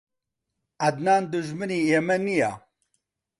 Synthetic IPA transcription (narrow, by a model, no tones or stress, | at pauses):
ɐd̪naːnd̪uʒmɨniːemɛnija̰ː